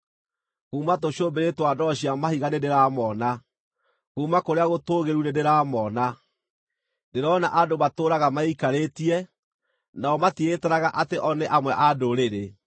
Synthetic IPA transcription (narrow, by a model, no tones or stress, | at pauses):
kuːmatoɕombeɾetwadɔɕiamahiɣanedeɾaːmɔna | kuːmakoɾeaɣotoːɣeɾunedeɾaːmɔna | deɾɔna̰ʔadomatoːɾaɣamaikaɾetiɛ | naɔmatietɛɾaɣaʔateʔɔneʔamwɛʔadoɾeɾe